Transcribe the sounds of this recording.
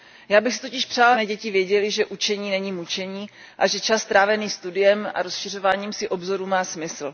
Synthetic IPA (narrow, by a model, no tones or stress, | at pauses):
jaːbɪxsɪ̥t̪ocɪʃpr̥aːlmɛːɟɛcɪvjɛɟɛlɪʒɛʔut͡ʃɛɲiːnɛɲiːmut͡ʃɛɲiː | ʔaʒɛt͡ʃast̪ɾaːvɛniːst̪udɪjɛma̰ɾosʃɪr̝o̞vaːɲiːmsɪʔo̞bzo̞ɾuːmaːsmɪsl̩